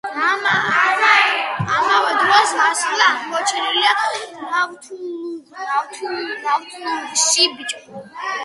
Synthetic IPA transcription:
aa | amavɛd̪ɾɔsasχlamɔt͡ʃʰɛnilianat̪ʰ | at̪ʰnawt̪ʰunʃibit͡ʃʼ

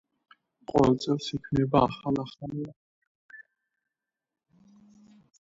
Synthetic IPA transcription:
qʼɔ̰vɛlt̪sʼɛlsikʰvnɛbaːχalaχania

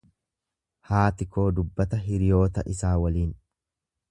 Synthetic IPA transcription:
haːt̪ɪko̞ːd̪ʊbːɐt̪ɐɦɪɾɪjo̞ːt̪ɐ̰ʔɪsaːwɐliːn

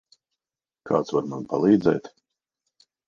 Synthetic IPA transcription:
kʰa̰ːt̪svaɾmanpalˠiːd̪zɛːt̪

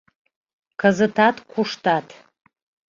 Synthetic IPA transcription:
kʰazɨtʰatʰʼkʷʰʊʂtʰatʰ

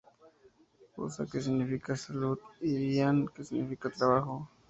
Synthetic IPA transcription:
o̰sa̰kes̬iɡnifikasalud̪iɾiaŋkesiɡnifikatɾaβaxo

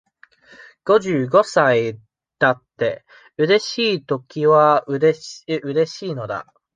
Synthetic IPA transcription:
ɡ̥o̞ʑɨːɡo̞sai | d̪̥at̪ːe̞ | ɯ̟ɾe̞ɕiːt̪o̞kʲiβaɾeɯ̟ɾe̞ɕiːno̞d̪a̰

